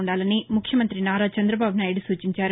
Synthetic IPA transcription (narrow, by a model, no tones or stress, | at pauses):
ɳɖaːlɐnimukʰjɐmɐnt̪ɾinaːɾaːt͡ʃɐnd̪ɾɐbaːbunaːjiɽusuːt͡ʃiɲt͡ʃaːɾu